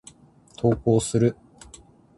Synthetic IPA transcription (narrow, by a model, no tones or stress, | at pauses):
t̪ʰo̞ːkoːsɨɾɯ̟